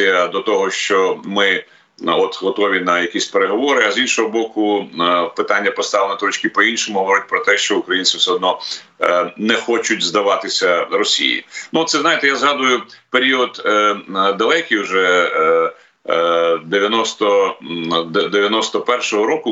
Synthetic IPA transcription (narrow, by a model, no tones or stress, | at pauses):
ijɐd̪ɔt̪ɔɦɔʃt͡ʃɔmɪ | ɔt̪ɦɔt̪ɔʋʲinɐjɐkʲisʲpeɾeɦɔʋɔɾɪɐzinʃɔɦɔbɔkʊpɪt̪ɑnʲːɐpɔst̪ɑʋlˠnɛt̪ɾɔt͡ʃʲkɪpɔinʃɔmʊɦɔʋɔɾʲʊt̚ʲpɾɔt̪ɛʃt͡ʃɔʊkɾɐjinsʲisʲɔd̪nɔ | nɛxɔt͡ʃʊtʲzd̪ɐʋɑt̪ɪsʲɐɾɔsʲḭjḭnut̪sɛznɑjɪt̪ɛjazɦɑd̪ʊjʊpeɾʲiɔd̪ | d̪ɐlˠɛkʲiuʒɛ | d̪eʋʲjɐnɔst̪ɔ | d̪d̪eʋʲjɐnɔst̪ɔpɛrʃɔɦɔɾɔkʊ